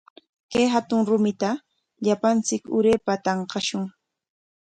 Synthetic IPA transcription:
kajɦat̪ʊŋɾʊmɪt̪a | ʎapant͡sɪkʊ̰ɾeːpat̪ɑɴqɑʃʊŋ

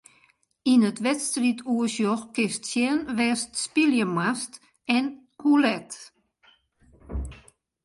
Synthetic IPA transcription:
inətʋɛtstritʰuəsjɔxkɪstsjɛnʋɛstspiljəmast | ɛn | kulɛt

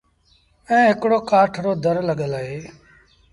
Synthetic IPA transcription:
ɛ̃ːɦɪkɽoːkaːʈʰɾoːd̪ʱəɾləɠəlaɦeː

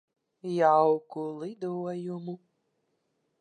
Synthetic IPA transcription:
jawkulˠɪd̪uɔjumu

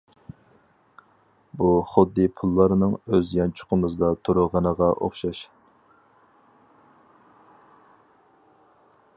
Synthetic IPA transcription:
buχʊd̪ːɨpʰulˠːɑɾnɨŋøzjɑnt͡ʃʰʊ̥qʊnɨzɨd̪ɑt̪ʰoɾʊʁɑnəʁɑʔo̰χʃɑʃ

